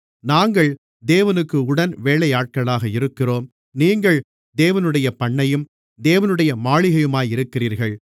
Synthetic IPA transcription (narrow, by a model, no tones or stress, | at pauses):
naːŋɡɐɭ | d̪eːʋɐnɯkːɯʊɽɐnʋeːɭɐjaːʈ̚kɐɭaːɣɐɪɾɯkːɪroːm | niːŋɡɐɭ | d̪eːʋɐnɯɽɐjɐpɐɳːɐjɯm | d̪eːʋɐnɯɽɐjɐmaːɭɪɣɐjɯmaːjɪɾɯkːɪriːɾɣɐɭ